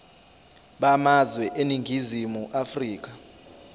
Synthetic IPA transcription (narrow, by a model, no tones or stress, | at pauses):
ɓamazwɛʔeniŋɡʱizimuʔafriːk̬a